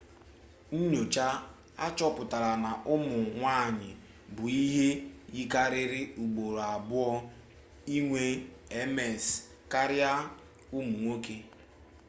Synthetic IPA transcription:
n̩˦ɲo˨t͡ʃa˦ | a˦t͡ʃɔ˦pʊ˨ta˨ɾa˨na˨ʔʊ˦mʊ˨ŋʷa˦˨ɲɪ˨ | bʊ˨i˦ɦe˦ji˦ka˦ɾɪ˦ɾɪ˦u˨ɡ͡bo˨ɾa˨bʊ˦ɔ˦ | i˦ŋʷe˦e˦me˨s | ka˦ɾja˦ | ʊ˦mu˨ŋʷo˦ke˦

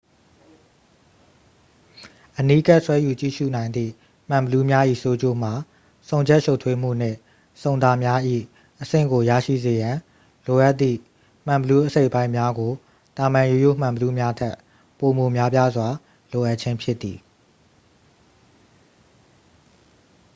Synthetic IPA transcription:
ʔəni˦ka˦ʔswɛ˦ju˨t͡ɕḭ˦˨ʃṵ˦˨nã˨ɪ̃nd̪ðḭ˦˨ | m̥ã˨mbəlu˦mja˦ʔḭ˦˨so˦d͡ʑo̰˦˨m̥a˨ | sõ˨ʊ̃ɲd͡ʑɛ˦ʔʃo˦ʊtʰwe˦m̥ṵ˦˨n̥ɪ̰̃˦˨ | sõ˨ʊ̃nd̪a˨mja˦ʔḭ˦˨ | ʔəsɪ̰̃˦˨ŋɡo˨jä̰˦˨ʃḭ˦˨ze˨jã˨ | lo˨ʔa˦ʔt̪ːḭ˦˨ | m̥ã˨bəlu˦ʔəse˦ɪʔpã˦ɪ̃mja˦ɡo˨ | t̪a˨mã˨ju˨jo̰˦˨m̥ã˨mbəlu˦mja˦tʰɛ˦ʔ | po˨mo˨mja˦p̬ja˦zwa˨ | lo˨ʔa˦ʔt͡ɕʰɪ̃˦mpʰjɪ˦t̪ːi˨

